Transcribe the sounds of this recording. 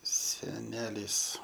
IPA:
sʲɛˈnʲæːlʲiːs

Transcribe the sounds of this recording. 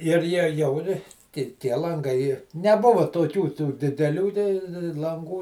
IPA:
ɪr ˈjiɛ ˈjɛʊ ɪr ˈtʲɪ tʲiɛ lˠɐŋˈɡɐɪ nʲɛˈbʊʋoː toːˈkʲuː tuː dʲɪdʲɛˈlʲuː tʲɛɪ lˠɐŋˈɡuː

